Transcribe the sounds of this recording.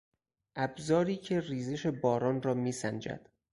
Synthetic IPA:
ʔæbzɒːɾiːcʰe̞riːzeʃe̞bɒːɾɒːnrɒːmiːsænd͡ʒæ̰d̪̥

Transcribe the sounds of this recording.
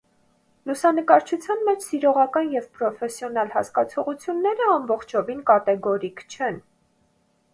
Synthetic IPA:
lusɑnəkɑɾt͡ʃʰut͡sʰjɑnmɛt͡ʃʰsiɾɔʁɑkɑnjɛvpɾɔfɛsjɔnɑlhɑ̰skɑt͡sʰɔʁut͡sʰjunːɛɾəɑmbɔχt͡ʃʰɔvinkɑt̪ɛɡɔɾikt͡ʃʰɛn

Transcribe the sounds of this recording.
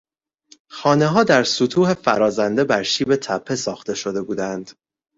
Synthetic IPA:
xɒːne̞ɦɒːd̪æɾsut̪ʰuːhe̞fæ̰ɾɒːzænd̪e̞bæɾʃiːbe̞t̪ʰæpʰːe̞sɒːxt̪e̞ʃo̞d̪e̞buːd̪ænd̪̥

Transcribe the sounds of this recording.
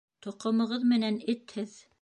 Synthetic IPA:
t̪ŏqŏmɤ̆ʁɤðmɘ̆nænɘt̪hɘð

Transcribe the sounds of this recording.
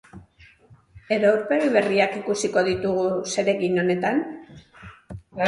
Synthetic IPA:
e̞ɾouɾpe̞ɣiβe̞riakikusiko̞ðit̪uɣ̞use̞ɾe̞ɣino̞ne̞t̪an

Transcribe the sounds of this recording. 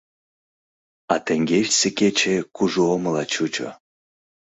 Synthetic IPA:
ɑt̪eŋɡʲeʃsĕket͡ɕekuʒuoməlɑt͡ɕut͡ɕo̰

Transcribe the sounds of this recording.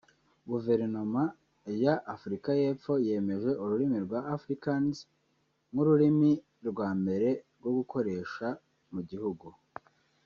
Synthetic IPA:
ɡuve̞ɾano̞ma | jaʔːfuɾikaje̞ːp͡fo̞je̞ːme̞ʒe̞ʔuɾuɾimiɾɡwaːfɾikanz | ŋuɾuɾimi | ɾɡwaːmbe̞ɾe̞ɾɡwo̞ɡuko̞ɾe̞ːʃa | muɟihuɡu

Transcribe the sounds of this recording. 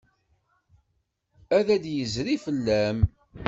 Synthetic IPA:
æðæd̪jəzɾifəlːæm

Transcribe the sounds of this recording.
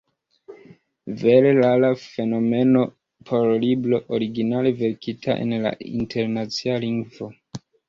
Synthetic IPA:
veɾelalafe̞no̞me̞no̞ | pʰo̞ɾliblo̞ʔoɾiɡinale̞ve̞ɾkitʰa̰ʔe̞̰nla̰ḭntʰe̞ɾnat͡sialiŋɡvo̞

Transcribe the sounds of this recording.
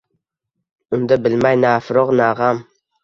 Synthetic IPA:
ʊnd̪abɪlmajnaːfɪɾoqnaːʁɑm

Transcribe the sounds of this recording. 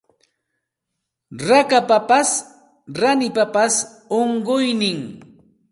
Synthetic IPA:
ɾakapapas | ɾanɪpapas | oɴɢʊjnɪŋ

